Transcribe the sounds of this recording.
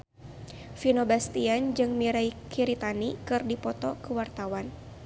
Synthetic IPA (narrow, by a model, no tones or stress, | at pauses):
finobast̪iand͡ʒɨŋmiɾaikʰiɾit̪anikɨrdipɔt̪ɔkuwart̪awan